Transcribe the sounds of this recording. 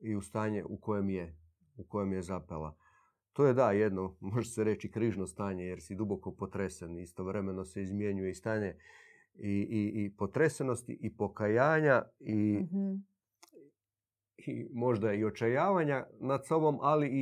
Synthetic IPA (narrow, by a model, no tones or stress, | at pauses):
iust̪aːɲḛʔuko̞jemje | uko̞je̞mjezapela̰ | t̪oːjed̪aje̞d̪no̞mo̞ʒeseɾe̞t͡ʃikɾiʒnost̪aːɲejeɾsid̪ubo̞ko̞po̞t̪ɾesenist̪o̞ʋɾe̞me̞no̞seizmje̞ɲujeist̪aːɲe̞ | iiipo̞t̪ɾe̞seno̞st̪ḭʔipo̞kajaːɲai | imo̞ʒd̪aio̞t͡ʃajaːʋaɲanad̪sobo̞mʔali